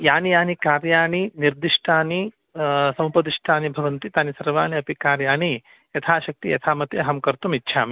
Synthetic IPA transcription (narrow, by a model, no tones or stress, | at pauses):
jaːnijaːnikaːɾjaːniniɾd̪iʂʈʰaːni | sɐ̃w̃pɐd̪iʂʈʰaːnibʱɐʋɐnt̪it̪aːnisɐɾʋaːniɐpikaːɾjaːni | jɐt̪ʰaːʃɐk̚t̪ḭjɐ̰t̪ʰaːmɐt̪jɐɦɐmkɐɾt̪umitːʃʰaːmi